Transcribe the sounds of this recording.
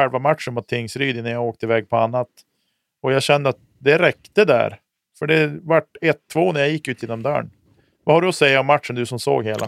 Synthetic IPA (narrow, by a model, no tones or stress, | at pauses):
ɛlvamat̪ʂəɳmʊt̪ʰːɪŋsɾyːd̪ɪnːajaoːk̚t̪əɪvɛːɡ̚pʰɔanːat̪ | ɔjaɕɛnːəɾat̪̚ | d̪ɛɾɛkt̪əd̪æ̰ɾ | fœɖɛvaʈːɛt̪ʰːvoːnæɾjajɪkːʉ̟ːt̪ʰjeːnɔmd̪œ̰ːɳ | vahaɖɵɔsɛjːaɔmːat̪ʂənd̪ɵsɔmso̰ːɡheːlʔa̰